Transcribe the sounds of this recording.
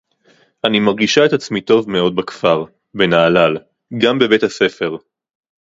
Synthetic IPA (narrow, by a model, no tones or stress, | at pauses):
ʔanimaʁɡiʃae̞tat͡smito̞vmeo̞d̪̚bakfaʁ | benaːlal | ɡambe̞bethase̞fe̞ʁ